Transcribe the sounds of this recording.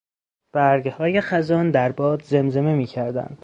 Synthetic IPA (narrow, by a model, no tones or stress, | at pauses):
b̥æɾɡhɒːjexæzɒːnd̪æɾbɒːd̪ze̞mze̞me̞miːcʰæɾd̪æ̰nd̪̥